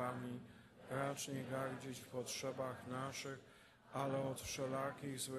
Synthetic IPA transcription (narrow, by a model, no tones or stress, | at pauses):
amʲi | ɾat͡ʂɲɛɡaɾd͡ʑɛt͡ɕfpɔtʂɛbaxnaʂɘx | alɛɔt̪ʂɛlakʲiɣzwɘ